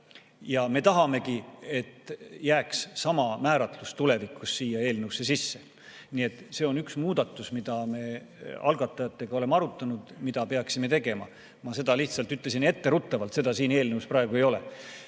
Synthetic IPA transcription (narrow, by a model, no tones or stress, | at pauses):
jɑme̞t̪ɑɦɑme̞ɡie̞t̪jæːkssɑmɑmæːɾɑt̪lust̪ule̞vikːˑusːiːjɑeːlnewse̞sisːe | nie̞t̪ːˑse̞o̞nyksmuːd̪̥ɑt̪ːˑusmid̪̥ɑme̞ː | ɑ̰lɡɑt̪ːˑɑjɑt̪ːˑe̞ɡɑo̞le̞mɑɾut̪ːˑɑnud̪̥mid̪̥ɑpe̞ɑksime̞t̪e̞ɡe̞mɑ̰ | mɑse̞d̪̥ɑliht̪sɑlt̪yt̪lesine̞t̪ːe̞ɾut̪ːˑɑvɑlt̪se̞d̪ɑsiːne̞ːlnewsprɑeɡue̞jo̞lḛ